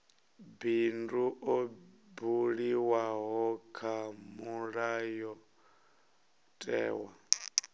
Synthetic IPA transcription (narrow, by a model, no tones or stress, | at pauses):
binduʔobuɺiwaɦɔkʰamuɺajɔ | tʼɛ̰ːwa̰